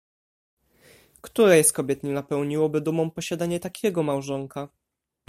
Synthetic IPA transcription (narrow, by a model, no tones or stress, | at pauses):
kt̪uɾɛjɛst̪kɔbʲjɛt̪ɲɛnapɛwɲiwɔbɘd̪umɔ̃mpɔɕad̪aɲɛt̪akʲʰɛɡɔmawʐɔŋka